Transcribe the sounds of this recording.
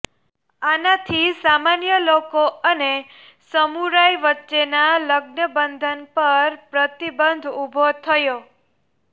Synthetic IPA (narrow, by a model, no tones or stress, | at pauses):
anat̪ʰisamanjəlokoəne | səmuɾajʋətːʃenaləɡnəbənd̪ʱənpəɾpɾət̪ibənd̪ʱubʱot̪ʰəjo